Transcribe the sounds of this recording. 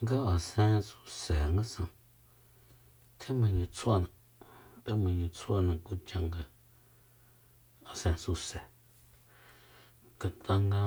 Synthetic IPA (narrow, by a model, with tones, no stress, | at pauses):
ŋɡa˦a˨sẽ˧su˧se˨ŋɡa˦sã˧ | t̪ʰẽ˦mã˧ɲã˧t͡sʰwa˦˧˨nã˨ | t̪e˦mã˧ɲĩ˧t͡sʰwa˦˨nã˧ku˦t͡ʃã˧ŋɡa˧ | a˨sẽ˧su˧se˨ | ka˨t̪a˧ŋɡa˧